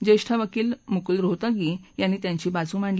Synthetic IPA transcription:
d͡ʑeɕʈʰaʋəkiːlmukulɾot̪aɡijanːiːt̪jãɲt͡ɕiːbat͡sũːm̤aɳl

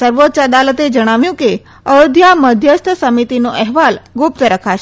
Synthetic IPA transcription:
səɾʋot̪ːt͡ʃəd̪alət̪ed͡ʒəɽ̃aʋjũke | əod̪ʱjaməd̪ʱjəst̪ʰəsəmit̪inoʔɛɦʋalɡʊp̚t̪əɾəkʰaʃe

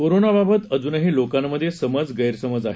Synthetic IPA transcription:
koɾonababət̪əd͡zunəɦiːlokamːəd̪ʱːjesəməd͡zɡəjɾsəməd͡zaɦe

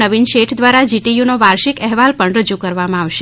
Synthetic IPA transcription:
əʋinʃeʈʰd̪ʋaɾad͡ʒiʈijunoʋaɾʃikɛɦʋalpəɳɾəd͡ʒukəɾʋamãaʋʃe

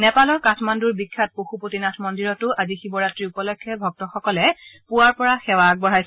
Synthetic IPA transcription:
nɛpalɔɹkatʰmanduɹbikʰːat̚poxupotinatʰmɔndiɹɔtʊʔazixibɔɹatɹiupɔlɔkʰːɛbʱɔk̚tɔxɔkɔlɛpuwaɹpɔɹaxɛwak̚bɔɹajs

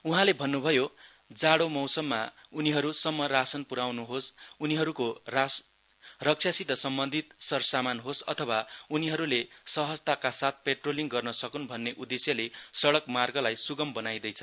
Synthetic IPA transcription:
uɦãlebʱʌnːubʱʌjo | d͡zaɽomʌwsʌmːa̰uniɦʌɾusʌmːʌrasʌnpuɾawnuɦosuniɦʌɾukora | rʌk̚t͡sʰjasit̪ʌsʌmbʌnd̪ʱit̪̚sʌrsamanɦosʌ̰t̪ʰʌwauniɦʌɾulesʌɦʌd͡zt̪akasat̪̚ʰpeʈroliŋɡʌrnʌsʌkunbʱʌnːeʔud̪esjʌlesʌɽʌkmarɡʌlajsuɡʌmbʌnajd̪ʌjt͡sʰʌn

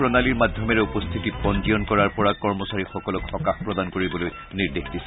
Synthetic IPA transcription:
pɹɔnaliɹmadʱjɔmɛɹɛupɔst̪ʰitipɔnd͡ʒijɔnkɔɹaɹpɔɹakɔɹmɔsaɹixɔkɔlɔkxɔkaxpɹɔd̪ankoɹibɔloj | niɹd̪exdisɛ

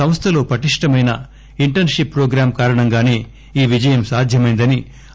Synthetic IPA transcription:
ɐm̃st̪ʰɐlo̞ːpɐʈiʂʈɐmɐjnɐ | iɳʈɐnʂipːɾoːɡɾaːmkaːɾɐɳɐŋɡaːne̞ː | iːʋid͡ʒɐjɐmsaːd̪ʱjɐmɐjnd̪ɐni

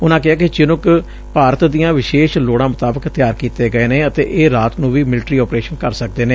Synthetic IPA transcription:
ʊnãːkɪaːkɪt͡ʃɪnʊk | paːɾət̪d̪ijãːʋɪʃeːʃloːɽãːmʊt̪aːbəkt̪jaːɾkiːt̪eːɡəeːneːət̪ḛːʔeːɾaːt̪nũːʋiːmɪlʈɾiːɔːpɾeːʃənkəɾsək̚d̪eːneː

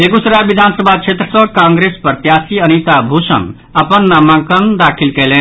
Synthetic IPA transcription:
ekusɾabid̪ʱansəbʱat͡ʃʰet̪ɾəsʌ̃kãŋɡɾespəɾt̪jasiənit̪abʱusə̰̃n | əpənːamãkənd̪akʰilkelen

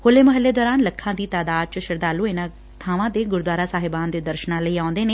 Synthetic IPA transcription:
hoːleːməɦəlːeːd̪ɔːɾaːnləkʰːãːd̪iːt̪aːd̪aːd̪̚t͡ʃʃəɾd̪aːluːenãː | t̪ʰaːʋãːd̪eːɡʊɾd̪waːɾaːsaːɦɪbaːnd̪eːd̪əɾʃnãːləiːãːnd̪eːneː

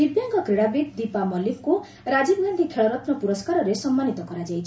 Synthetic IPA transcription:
d̪̥ibjaŋkʌkriɽabid̪ipamʌlipko | rad͡zibɡʱand̪ʱiʈʰeɭʌɾʌt̪nʌpuɾʌskaɾʌɾesʌmːanit̪ʌkʌɾad͡zajt͡sʰ

